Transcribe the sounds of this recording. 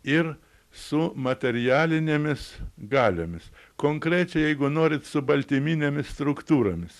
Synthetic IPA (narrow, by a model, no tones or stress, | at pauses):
ɪr | sʊmɐt̪ʲɛɾʲɪjæːlʲɪnʲeːmʲɪsɡɑːlʲoːmʲɪskoːŋkɾʲæːt͡ʃʲɛɪjɛɪɡʊnoːɾʲɪt̪sʊbɐlʲt̪ʲimʲiːnʲemʲɪsst̪ɾʊkt̪uːɾoːmʲɪs